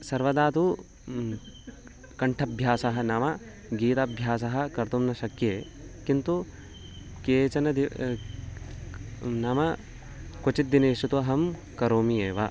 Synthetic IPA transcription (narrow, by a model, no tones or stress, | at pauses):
sɐɾʋɐd̪aːt̪u | kɐɳʈʰɐbʱjaːsɐɦɐ̆nɐmɐ | ɡiːt̪ɐbʱjaːs̬ɐɦɐ̆kɐɾt̪umnɐʃɐkjeːkint̪u | keːt͡ʃɐnɐd̪i | nɐmɐ | kot͡ʃit̪̚d̪ineːʃut̪uɐɦɐmkɐɾoːmieːʋɐ